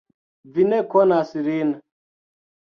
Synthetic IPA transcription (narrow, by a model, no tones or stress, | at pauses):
vinɛkɔnasiɾina